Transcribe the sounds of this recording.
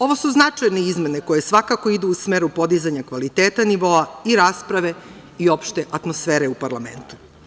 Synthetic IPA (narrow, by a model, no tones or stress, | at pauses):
o̞ʋo̞suznat͡ʂajneizme̞ne̞ko̞je̞sʋakako̞id̪uusmeɾupo̞d̪izaɲakʋalit̪eːt̪aniʋo̞aiɾaːspɾaʋe̞ | io̞pʃt̪e̞ʔat̪mo̞sfeːɾeupaɾlame̞̰nt̪u̥